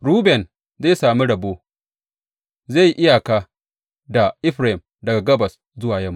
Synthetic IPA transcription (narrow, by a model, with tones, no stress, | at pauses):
ɽuː˦bɛ˨n | zeː˦˨saː˨mi˦ɽɐ˨boː˦ | zeː˦˨jʔɪ˦ja˨ka˦ | da˨ʔɪ˦ɸɾa˨hɪ˨m | dɐ˨ɡa˨ɡɐ˦bɐ˨s | zʊ˦waː˨jɐ˦m˨